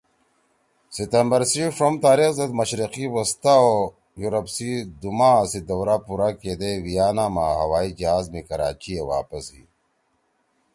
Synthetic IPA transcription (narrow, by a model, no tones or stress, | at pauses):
sit̪ɐmbɐɾsifɾomt̪aːɾixzɐd̪mɐɕɾiqiwɐst̪ao | juɾɐpsid̪umaːsid̪ɐwɾaːpuɾaːked̪ewijaːnaːmaːɦɐwaːid͡ʑaːzmikɐɾaːt͡ɕiewa̰ːpɐsḭː